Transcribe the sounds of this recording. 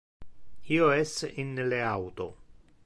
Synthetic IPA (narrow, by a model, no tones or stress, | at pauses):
ioɛsinleawt̪o̰